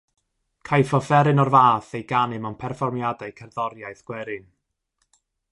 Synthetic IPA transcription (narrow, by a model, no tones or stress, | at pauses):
kʰajfɔfɛɾɨnɔrvaːθejɡanɨmanpʰɛrfɔrmjadajkʰɛrðɔɾjajθɡ̥wɛɾɨn